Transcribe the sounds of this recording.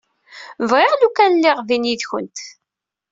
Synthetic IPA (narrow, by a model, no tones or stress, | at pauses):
vʁɪʁlukænlːɪʁviniðçə̰nt̪